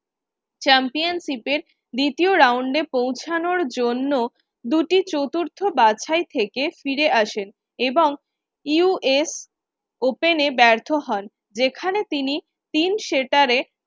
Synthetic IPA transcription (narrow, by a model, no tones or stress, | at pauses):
t͡ɕɛmpijanʃipeɾ | d̪it̪ioɾawɳɖepowt͡ɕʰanoɾd͡ʑonːo | d̪uʈit͡ɕot̪uɾt̪ʰobat͡ɕʰajt̪ʰekefiɾeʔaʃen | eboŋ | iuʔes | openebɛɾt̪ʰoɦɔn | d͡ʑekʰanet̪ini | t̪inʃeʈaɾe